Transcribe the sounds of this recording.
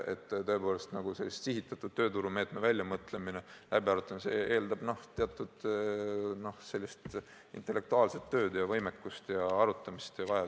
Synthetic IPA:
e̞̰t̪ːt̪ø̞epo̞ːle̞st̪nɑɡ̥use̞lʲːist̪siɦit̪ːˑɑt̪ːˑud̥̪̚t̪ø̞ːt̪uɾume̞ːt̪mevælʲːjɑmɤt̪ːˑleminelæb̥iɑɾut̪ːˑɑmse̞e̞ːld̪ɑb̥no̞ht̪eɑt̪ːˑud̪̥ | no̞hse̞lʲːist̪ | ḭnt̪ːˑelːe̞k̚t̪uɑːlse̞t̪ːø̞ːd̪jɑvɤjmekːust̪jɑɑɾut̪ːˑɑmist̪jɑvɑjɑ

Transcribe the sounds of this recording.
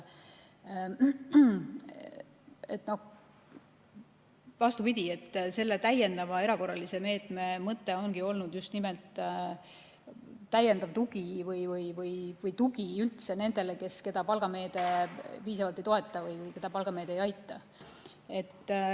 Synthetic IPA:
e̞t̪ːˑno̞h | vɑst̪upid̪ʲie̞t̪ːˑse̞lːet̪æje̞nd̪ɑvɑe̞ɾɑko̞rːɑlise̞me̞ːt̪me̞mɤt̪ːe̞o̞nɡ̥io̞lnud̪̥just̪nimelt̪ː | æje̞nd̪ɑv̥t̪uɡivɯjvɯjvɯjvɯjt̪uɡ̥iylt̪se̞ne̞nd̪̥e̞leke̞ske̞d̪̥ɑpɑlɡ̥ɑme̞ːd̪̥e̞piːs̬ɑvɑlt̪ːˑejt̪o̞e̞t̪ːˑɑvɯjvɯjke̞d̪ɑpɑlɡ̥ɑme̞ːd̪̥ejɑjt̪ˑːɑ | e̞t̪ː

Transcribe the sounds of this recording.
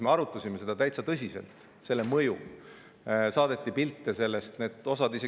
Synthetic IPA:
me̞ɑɾut̪ːˑɑsʲime̞se̞d̪̥ɑt̪æjt̪sɑt̪ɤsʲise̞̰lt̪ˑ | se̞lːe̞mɤjṵ | sɑːd̪̥e̞t̪ːˑipilt̪ːˑese̞lːest̪ne̞ːd̪o̞sɑd̪ise̞

